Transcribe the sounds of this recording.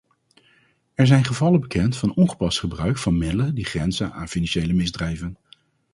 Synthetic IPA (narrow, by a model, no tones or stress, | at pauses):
ɛɹzɛjnχəvɑləbəkɛntfɑnɔnχə̥pɑstχəbrœɥkfɑnmɪdələndiχrɛnzəna̰ːnfinɑnʃejləmɪzdrɛjvən